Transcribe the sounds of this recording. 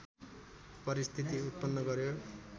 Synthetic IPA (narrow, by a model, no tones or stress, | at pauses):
pʌɾist̪ʰit̪iut̪̚pʌnːʌɡʌɾjo